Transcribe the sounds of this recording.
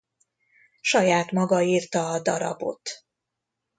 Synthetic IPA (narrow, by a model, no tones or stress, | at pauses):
ʃɒjaːt̪mɒɡɒiːrt̪ɒːd̪ɒɾɒ̰bo̞̰t̪